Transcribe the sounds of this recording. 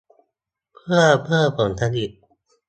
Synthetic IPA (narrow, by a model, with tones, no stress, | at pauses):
pʰɯ˥˩əpʰɯ˥˩ɐpɯ˨˩nt̪ʰa˧˥ni˨˩t̚